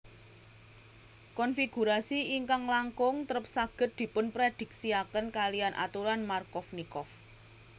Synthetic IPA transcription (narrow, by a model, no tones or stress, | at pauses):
kɔnfiɡ̥ṳɾasiiŋkaŋlaŋkʊŋt̪əɾəp̚saɡ̥ə̤t̪̚d̪̥i̤pʊnpɾed̪̥i̤k̚siakənkalijanʔa̰t̪uɾanmarkɔfnikɔf